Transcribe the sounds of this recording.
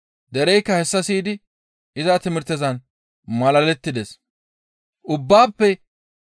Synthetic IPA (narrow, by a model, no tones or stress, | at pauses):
d̪ɛɾɛjkːɐhɛsːɐsiːd̪ɪ | ʔɪzɐt̪ɪmɪɾt̪ːɛzɐn | mɐlɐlɛt̪ːɪd̪ɛs | ʔʊbːaːpːɛ